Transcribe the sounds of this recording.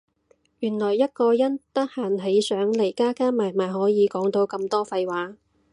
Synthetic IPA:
jyː˨˩nlɔː˨˩jːɐ˥t̚kɔː˧jɐ˥nt̪ɐ˥k̚haː˨˩nɦe˨˥jsœː˨˥ŋle˨˩jkaː˥kaː˥maː˨˩jmaː˨˩jhɔː˨˥jiː˨˧kɔː˨˥ŋt̪o˧wkɐ˧mt̪ɔː˥fɐ˧jwaː˨˥

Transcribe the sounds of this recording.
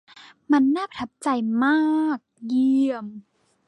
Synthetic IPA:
ma˧nːaː˥˩pa˨˩t̪ʰa˦˥p̚t͡ɕa˧jmaː˥˩k̚ji˧˩˧əm

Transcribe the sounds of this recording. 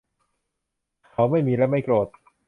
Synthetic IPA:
kʰa˦wma˥˩jmiː˧lɛː˦˥wma˥˩jkɾoː˨˩t̪̚

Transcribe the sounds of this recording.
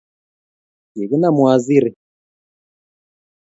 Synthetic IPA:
ji˨ɣi˦na˦mwa˨zi˦ɾi˨

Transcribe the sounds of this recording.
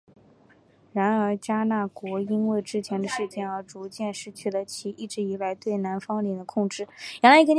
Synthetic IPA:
ɻa˧˥nə˞˧˥t͡ɕja˥na˥˩kwɔ˧˥i˥nwe˥˩ɪʈ͡ʂɻ̩˥t͡ɕʰjɛ˧˥nd̪ə˧ʂɻ̩˥˧t͡ɕjɛ˥˩nə˞˧˥ʈ͡ʂu˧˥t͡ɕjɛ˥˧nʂɻ̩˥˧t͡ɕʰy˥˩d̪ə˩t͡ɕʰi˧˥ʔi˥˩ʈ͡ʂɻ̩˧˥i˧˥la˧˥ɪt̪we˥˩ɪna˧˥nfɑ˥ŋli˨˩d̪ə˦kʰʊ˥˧ŋʈ͡ʂɻ̩˥˩jɛ˧˥nla˧˥ɪ˥ə˧n

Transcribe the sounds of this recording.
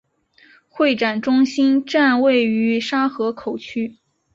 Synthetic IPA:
xwe˥˩ɪʈ͡ʂa˨˩nʈ͡ʂʊ˥ŋɕi˥nʈ͡ʂa˥˧nwe˥˩ɪy˧˥ʂa˥xɤ˧˥kʰo˨˩ʊt͡ɕʰy˥

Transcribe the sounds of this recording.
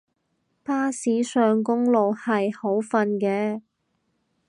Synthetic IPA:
paː˥siː˨˥sœː˨ŋkʊ˥ŋlo˨whɐ˨jho˨˥wfɐ˧nkɛː˧

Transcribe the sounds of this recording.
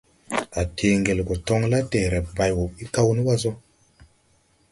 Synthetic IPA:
a˨tʰe˨ŋɡe˨lko˨tɔ˦ŋla˦te˨ɾɛ˨p̚ba˨jwo˨pi˦ka˦wni˦wa˦zo˦

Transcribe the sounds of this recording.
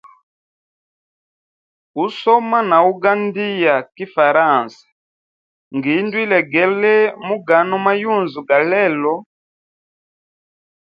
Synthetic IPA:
u˦sɔ˦ma˦na˨u˦ɡa˦ndi˦ja˨ki˦fa˨ɾa˦˨nsḁ˨ | ŋɡi˨˦ndu˦i˦lɛ˨ɡɛ˨lɛ˦mu˦ɡa˨nɔ˦ma˦ju˦˨nzu˨ɡa˨lɛ˦lɔ˨

